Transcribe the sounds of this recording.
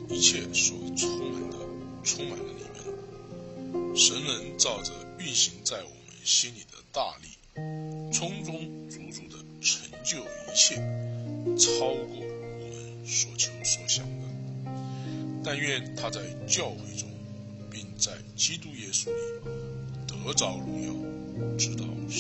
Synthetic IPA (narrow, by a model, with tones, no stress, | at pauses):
i˧˥t͡ɕʰjɛ˥˩swɔ˨˩t͡sʰʊ˥ŋma˨˩nd̪ə˦ʈ͡ʂʰʊ˥ŋma˨˩nd̪ə˦lḭ˨˩mə̰˧˥n | ʂə˧˥nnə˧˥nt͡sɑ˥˩ʊʈ͡ʂə˩y˥˩nɕi˧˥ŋt͡sa˥˩ɪwɔ̰˨˩mə̰˦nɕi˥nli˨˩d̪ə̰˦t̪a̰˥˧lḭ˥˩ | t͡sʰʊ˥ŋt͡sʊ˥ŋt͡su˧˥t͡su˨˧˩d̪ə˧ʈ͡ʂʰə˧˥ŋt͡ɕjo˥˩ʊi˧˥ɕʰjɛ˥˩ | t͡sʰɑ˥ʊkwɔ˥˩wɔ˨˩mə˧˦n | swɔ˨˩t͡ɕʰŋswɔ˨˧˥ɕjɑ˨˥ŋwə˧˥n | t̪a˥˧nɥɛ˥˨nt̪ʰa˥t͡sa˥˧ɪt͡ɕjɑ˥˧ʊxwe˥˩ɪʈ͡ʂʊ˥ŋ | pi˥˧ŋt͡sa˥˩ɪt͡ɕi˥t̪u˥jɛ˥su˥li˨˩t̪ɤ˧˥t͡sɑ˧˥ʊlu˧˥ŋjɑ̰˥˩ʊʈ͡ʂɻ̩˥t̪ɑ˥˩ʊ